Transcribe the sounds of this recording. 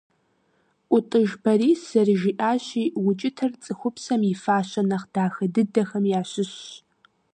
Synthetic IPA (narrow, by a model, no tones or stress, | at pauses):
ʔʷʊtʼɨʒbʰɐriːsɐrʒiːʔaːɕiːwʊt͡ʃʼɪtʰɐrt͡sʼɨxʷʊpsɐmjɪfaːɕɐnɐχd̥aːxɐdɨdɐxɐmjaːɕɪɕ